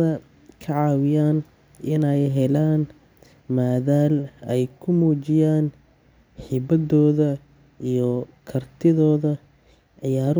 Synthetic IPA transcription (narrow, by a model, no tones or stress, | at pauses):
ɐ | kʰɐʕɑːwɪjaːn | ʔɪnɛjɦɛlaːn | maːðaːlɛjkʰʊmuːt͡ʃɪjaːn | ħɪbɐdɔːðɐ | ijɔkʰɐrt̪ʰɪðɔːðɐ | ʕɪjaːɾ